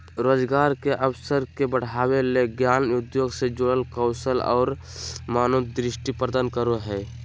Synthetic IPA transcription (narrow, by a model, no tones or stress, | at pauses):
ɾoːd͡ʒɡaːɾkeʔəbsəɾkebəɽ̤aːweleɡjaːnʊd̪joːɡsed͡ʒoɽəlkəʊsəlɔ̰ːɾ | maːnod̪ɾɪʃʈipəɾd̪ənkəɾoɦɛː